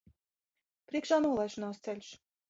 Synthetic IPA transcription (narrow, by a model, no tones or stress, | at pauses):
pɾʲiɛkʃaːnuɔlˠajʃunaːst̪sɛlʲu̥s